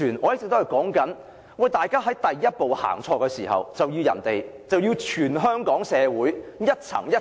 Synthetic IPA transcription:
yː˨˩nʔɔː˨˧j̚t̪ɪ˨kt̪o˥hɐ˨˩jkɔː˨˥ŋkɐ˨˥n | wɐ˨˩jt̪aː˨˩jkaː˥ɦɐ˨˥jt̪ɐ˨jːɐ˥t̚po˨˧wha̰ː˨˩ŋt͡ʃʰɔː˧kɛ˧siː˨˩hɐ̰˨wt͡sɐ˨wji˧wjɐ̰˨˩nt̪e˨j | t͡sɐ˨wjiː˧wt͡ʃʰyː˨˩nɦœː˥ŋkɔː˨˥ŋsɛː˨˧wuː˨˥jjɐ˥t̚t͡sʰɐ̰˨˩ŋjɐ˥

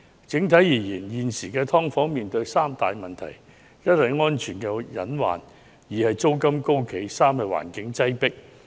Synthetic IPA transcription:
t͡sɪ˨˥ŋt̪ʰɐ˨˥jjiː˨˩jiː˨˩njiː˨nsiː˨˩kɛː˧t̪ʰɔː˥ŋfɔː˨˥ŋmiː˨nt̪ɵ˧ɥsaː˥mt̪aː˨jmɐ˨nt̪ʰɐ̰˨˩j | jɐ˥t̚hɐ˨˧jŋɔː˥nt͡ʃʰyː˨˩nkɛː˧jɐ˨˥nwa̰ː˨n | jiː˨˩hɐ˨jt͡so˥wkɐ˥mko˥wkʰe˨˥jsaː˥mhɐ˨˧˩wa̰ː˨˩nkɪ˨˥ŋt͡sɐ˥jpɪ˥k̚

